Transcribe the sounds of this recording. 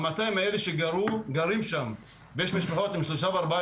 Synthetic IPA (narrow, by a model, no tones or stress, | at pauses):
mat̪ajimaeleʃeɡaɾuɡaɾimʃam | bejeʃmiʃpaħo̞t̪imʃloʃaveaɾba